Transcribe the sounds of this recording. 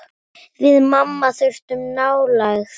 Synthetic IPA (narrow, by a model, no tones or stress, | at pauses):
vɪðmamːaθʏɥr̥t̪ʏmnaːwlajx